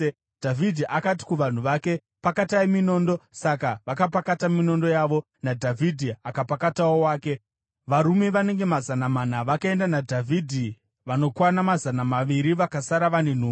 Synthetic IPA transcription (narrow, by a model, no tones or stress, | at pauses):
d̥ʱavidʱiʔakat̬i̥kuʋan̤uʋake̞ | pakataimino̞ːndo̞sakaʋakap̬akatamino̞ndo̞jaːʋo̞ | nadʱavʱidʱiakapakatawowaːke̞ | ʋaɾume̞ʋane̞ŋɡe̞mazanamanaʋakae̞ndanadʱavʱidʱi | ʋano̞kwanamazanamaʋiɾiʋakasaɾaʋane̞n̤uː